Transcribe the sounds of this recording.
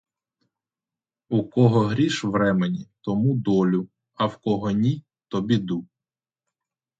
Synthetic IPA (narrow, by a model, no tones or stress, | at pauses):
ukɔɦɔɦɾʲiʃʋɾɛmenʲit̪ɔmud̪ɔlʲʊ | ɐwkɔɦɔnʲi | t̪ɔbʲid̪u